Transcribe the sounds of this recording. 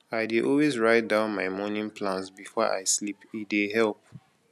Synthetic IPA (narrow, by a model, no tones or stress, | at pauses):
aɪdeʔɔlwezɹaɪt̚dãʊ̃nmaɪmɔnĩnpʰlãnsbifɔʔa̰ɪslipideɦɛlˠp̚